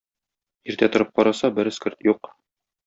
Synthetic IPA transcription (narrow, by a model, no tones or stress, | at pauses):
iɾt̪æt̪ŏɾɤp̚qɒɾɑsɑbɘɾskɘ̆ɾt̪juq